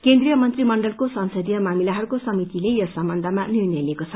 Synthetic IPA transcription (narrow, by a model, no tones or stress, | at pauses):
kend̪rijʌmʌnt̪rimʌɳɖʌlkosʌnsʌd̪jʌmamilaɦʌɾukosʌmit̪ilejʌsʌmbʌnd̪ʱʌmanirnʌjlekot͡sʰʌ